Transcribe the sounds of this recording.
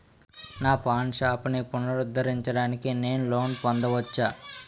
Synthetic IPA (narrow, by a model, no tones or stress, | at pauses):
naːpaːnʂaːpunipunːɐɾud̪ːɐɾiɲt͡ʃɐɽaːnikine̞ːnulo̞ːnpɐnd̪ɐʋɐt͡ʃːaː